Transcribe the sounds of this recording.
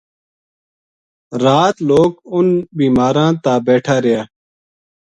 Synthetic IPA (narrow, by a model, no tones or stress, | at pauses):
ɾaːt̪loːkʊnbiːmaːɾãːt̪aːbeːʈʰaːɾɪjaː